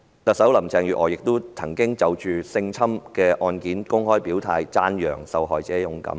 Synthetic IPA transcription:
t̪ɐ˨k̚sɐ˨˥wlɐ˨˩mt͡sɛː˧ŋjyː˨ʔɔː˨˩jɪ˨k̚t̪ʊ˥t͡sʰɐ˨˩ŋkɪ˥ŋt͡sɐ˨wt͡ʃyː˨sɪ˧ŋt͡sʰɐ˥mkɛː˧ʔɔː˧nkiː˨˥nkʊ˥ŋhɔː˥jpiː˨˥wt̪ʰaː˧jt͡saː˥njœ̰ː˨˩ŋsɐ˨˧wɦɔː˨jt͡sɛː˨˥jʊ˨˥ŋkɐ̰˨˥m

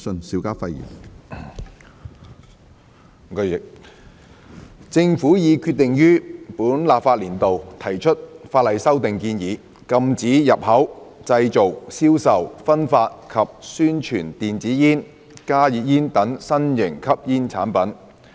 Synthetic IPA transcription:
sɵ˧nsiː˨˥wkaː˥fɐ˧jḭ˨˩n˧˨ | t͡sɪ˧ŋfuː˨˥jiː˨˧kʰyː˧t̪̚ːɪ˨ŋjyː˥puː˨˥nlaː˨p̚faː˧t̚liː˨˩nt̪o˨wt̪ʰɐ˨˩jt͡ʃʰɵ˥t̚faː˧t̚lɐ˨jsɐ˥wt̪ɪ˨ŋkiː˧njiː˨˧ | kɐ˧mt͡siː˨˥jɐ˨p̚hɐ˨˥wt͡sɐ˧jt͡so˨wsiː˥wsɐ˨wfɐ˥nfaː˧t̚kʰɐ˨p̚syː˥nt͡ʃʰyː˨˩nt̪iː˨nt͡siː˨˥jiː˥n | kaː˥jiː˨t̚jiː˥nt̪ɐ˨˥ŋsɐ˥njɪ˨˩ŋkʰɐ˥p̚jiː˥nt͡sʰa̰ː˨˥npɐ˨˥n

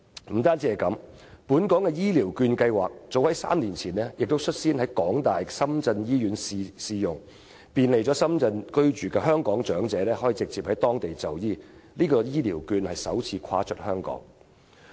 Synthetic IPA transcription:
m̩˨˩t̪aː˥nt͡siː˧˥ɐ˨jkɐ˨˥mpuː˨˥nkɔː˨˥ŋkɛː˧jiː˥liː˨˩wkyː˧nkɐ˧jwaː˨k̚t͡so˨˧whɐ˨˥jsa̰ː˥mliː˨˩nt͡sʰiː˨˩nlɛ˥jɪ˨k̚t̪o˥wsʰɵ˥t̚siː˥nhɐ˨˥jkɔː˨˥ŋt̪aː˨jsɐ˥mt͡sɐ˧njiː˥jyː˨˧˥nsi˧siː˧jʊ˨ŋ | piː˨nle˨jt͡sɔː˨˥sɐ˥mt͡sɐ˧nkɵ˥ɥt͡ʃyː˨kɛː˧ɦœː˥ŋkɔː˨˥ŋt͡ʃœː˨˥ŋt͡sɛː˨˥lɛː˥hɔː˨˥jiː˨˧t͡sɪ˨k̚t͡siː˨p̚hɐ˨˥jt̪ɔː˥ŋt̪e˨jt͡sɐ˨wjiː˥liː˥kɔː˧jiː˥liː˨˩wkyː˧nhɐ˨jsɐ̰˨˥wt͡sʰiː˨˥kʰa̰ː˧t͡ʃʰɵ˥t̚hœː˥ŋkɔ̰ː˨˥ŋ

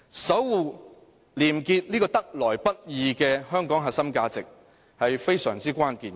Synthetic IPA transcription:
sɐ˨˥wwuː˨˩ | liː˨˩mkiː˧t̚liː˥kɔː˧t̪ɐ˥k̚lɔː˨˩jpɐ˥t̚jiː˨kɛː˧hœː˥ŋkɔː˨˥ŋɦaː˨sɐ˥mkaː˧t͡sɪ˨k̚ | hɐ˨jfe˥jsœː˨˩ŋt͡siː˥kʷaː˥nkiː˨˩n

